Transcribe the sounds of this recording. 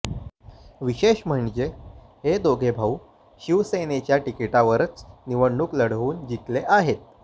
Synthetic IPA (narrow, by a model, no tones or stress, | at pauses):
ʋiɕeɕm̤əɳd͡ʑeɦed̪oɡʱebʱau | ɕiʋsenet͡ɕjaʈikeʈaʋəɾət͡sniʋəɳɳuːkləɽ̤ʋuːnd͡ʑit̪leʔaɦet̪̚